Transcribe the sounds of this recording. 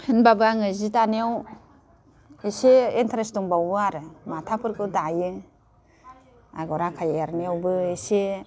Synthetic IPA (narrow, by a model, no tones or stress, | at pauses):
hɯnbabɯaŋɯzitaneaw | iseintʰaɾestuŋbawbɯaɾɯmatʰapʰɯɾkʰɯdajɯ | a̰ɡɔɾakʰajeɾnjawbɯise